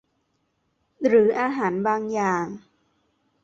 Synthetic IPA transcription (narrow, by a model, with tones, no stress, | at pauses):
ɾɯː˩˦ʔaː˧ɦaː˩˦nbaː˧ŋjaː˨˩ŋ